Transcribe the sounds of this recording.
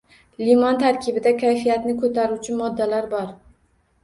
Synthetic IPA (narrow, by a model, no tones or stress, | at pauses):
limɒnt̪ʰaɾkʲɪbɪd̪akʲʰajfijat̪nɪkʰɵt̪ʰaɾʊt͡ʃʰɪmɒd̪ːalaɾbɒɾ